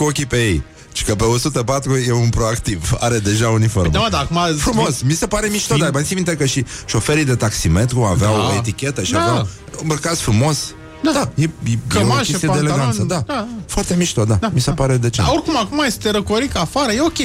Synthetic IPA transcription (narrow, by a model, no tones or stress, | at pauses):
kokʲipe̞jej | ʃi̥kəpe̞osut̪əpat̪ɾujeunpɾoakt̪iva̰ɾe̞d̪e̞ʒaunifo̰ɾmamad̪aːkumafɾumo̞smisepaɾe̞miʃt̪od̪abansimint̪ekəʃiʃo̞feɾid̪e̞t̪aksiment̪kumaveawoet̪ikʲe̞t̪əʃiiakum | unbəkat̪fɾumo̞s | d̪ad̪ajejemaket̪ijd̪elɡansəd̪ad̪afoarɾt̪emiʃt̪od̪aamisepaɾe̞d̪e̞t͡ʃeorkumakumajest̪eɾəkoɾikafaɾəjeokʲe